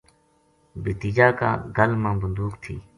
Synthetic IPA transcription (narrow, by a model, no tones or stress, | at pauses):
bɪt̪iːd͡ʒaːkã̰ːɡəlmãːbənd̪uːkt̪ʰḭː